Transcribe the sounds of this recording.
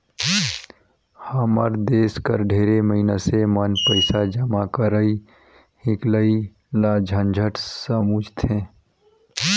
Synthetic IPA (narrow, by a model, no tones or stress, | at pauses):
haːməɾd̪eːskəɾɖʱeːɾeməɦinasemənpəɪsad͡ʒəmakəɾəi | hɪkləi | lad͡ʒʱənd͡ʒʱəʈsəmuːd͡ʒt̪ʰẽː